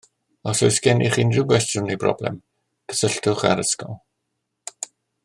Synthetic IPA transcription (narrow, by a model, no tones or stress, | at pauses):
ɔsojskɛniχiːnrɪbɛsdrʊnibrɔ̰blɛ̰m | ɡ̥ə̥səɬtʊχa̰ɾəskɔ̰lˠ